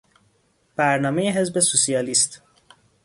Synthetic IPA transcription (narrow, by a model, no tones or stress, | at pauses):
b̥æɾnɒːme̞jeɦe̞zbesusiɒːlist̪